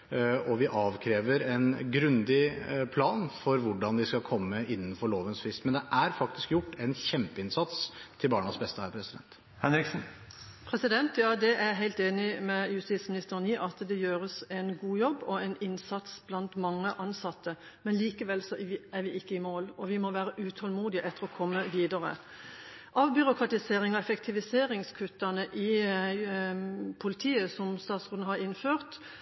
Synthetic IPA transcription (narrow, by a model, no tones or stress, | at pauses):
ɔʋɪʔɑːʋkʰɾeːʋəɾɛnɡɾʉnd̪ɪpʰlɑːnfɔɾʋʊɖɑnd̪ɪskɑlkʰɔmːəʔɪnːnfɔɭoːʋənsfɾɪst̪mɛnd̪ɛʔæɾfɑk̚t̪ɪ̥skjʊʈːɛnçɛmpəɪnsɑt̪st̪ʰɪlbɑːɳɑsbɛst̪əhæːɾpʰɾɛsɪd̪ɛ̰nt̪ | hɛnɾɪksn̩ | pʰɾɛsɪd̪ɛnt̪jɑːd̪ɛʔæɾɦæɪlt̪eːnɪmɛjʉst̪ismɪnɪst̪əɾəniʔɑt̪d̪ɛjøːɾəsɛnɡuːjɔbːɔɛɪnɪnsɑt̪sb̥lɑnt̪mɑŋːəʔɑnsɑt̪ːə | mɛnliːkəʋɛlsɔæɾʋɪɪkːəɪmoːlɔʋɪmɔʋæːɾəʔʉːt̪ʰɔlmuːd̪ɪəʔɛt̪ːəɾɔkʰɔmːəʋiːd̪ɑɾə̰ | ʔɑʋbʏɾʊkʰɾɑt̪ɪseːɾɪŋɑɛfɛkt̪ʰɪʋɪseːɾɪŋskʰʉt̪ːɑnəʔɪ | pʰʊlɪt̪ʰiːəsɔmst̪ɑːt̪sʁʉːd̪nəɦɑɾɪnføːʁt̪